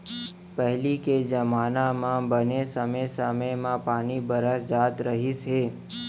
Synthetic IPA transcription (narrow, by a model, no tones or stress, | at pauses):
pəɦliked͡ʒəmaːnamãbənesəməsəməjmãpaːnibəɾəsd͡ʒaːt̪ɾəɦisɦe